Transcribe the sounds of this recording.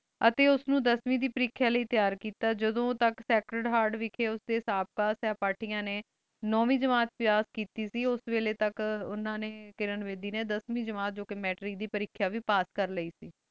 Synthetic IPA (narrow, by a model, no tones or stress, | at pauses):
ət̪eːʊsnũːd̪əsmĩːd̪iːpəɾɪkʰːjaːləiːt̪jaːɾkiːt̪aːd͡ʒəd̪õːt̪əksɛːkɾəɖɦaːɾɖʋɪkʰeːʊsd̪eːsaːp̚kaːsɛːpaːʈʰiːãːneː | nɔːʋĩːd͡ʒəmaːt̪̚pɪjaːskiːt̪iːsiːʊsʋeːleːt̪əkʊnãːneːkɪɾənʋeːd̪iːneːd̪əsmĩːd͡ʒəmaːt̪̚d͡ʒoːkemɛːʈɾiːd̪iːpəɾɪkʰːjaːʋiːpaːskəɾləiːsiː